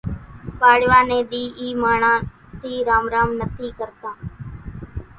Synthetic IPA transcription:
paːɽʋaːnẽːd̪iːʔiːmaːɳaː | t̪iːɾaːmɾaːmnət̪ʰiːkəɾt̪aː

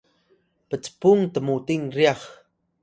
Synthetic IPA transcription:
pət͡spuŋt̪əmut̪iŋɾjɑχ

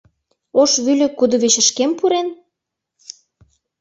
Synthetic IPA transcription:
oʃβylʲɘ̆kud̪ŏβet͡ɕə̆ʃkempuɾen

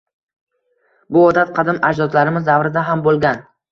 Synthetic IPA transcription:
bʊɒd̪at̪̚qʰɑd̪ɪmad͡ʒd̪ɒt̪laɾɪmɪzd̪avɾɪd̪aɦambolˠɡʲan

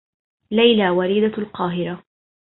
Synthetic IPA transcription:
lajlaːwaɾiːd̪alqɑːɦɪɾa

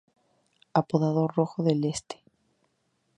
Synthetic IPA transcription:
apoðaðoroxoðelest̪e̥

